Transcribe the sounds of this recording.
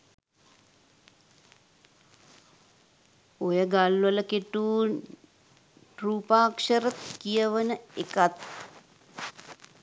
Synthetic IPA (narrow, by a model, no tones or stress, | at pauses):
ojəɡalʋələkeʈuː | ʈruːpaːkʂəɾət̪kijəʋənəekat̪̚